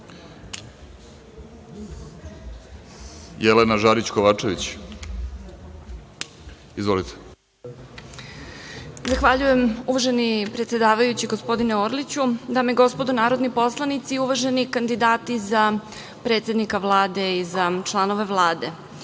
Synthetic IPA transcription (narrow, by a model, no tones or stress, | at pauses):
jelenaʒaɾit͡ɕkoʋaːt͡ʃeʋit͡ɕ | izʋo̞lit̪ʰe̥ | zaxʋaʎuje̞muʋaʒe̞nipɾet̪sje̞d̪aːʋajut͡ɕiɡo̞spo̞d̪ineoɾlit͡ɕud̪aːmeɡo̞spod̪unaːɾo̞d̪nipo̞slˠanit̪siuʋaʒe̞nikand̪id̪aːt̪iza | pɾe̞ːt̪sʲe̞d̪nikaʋlˠaːd̪e̞izat͡ʃlˠano̞ʋe̞ʋlˠaːd̪e̞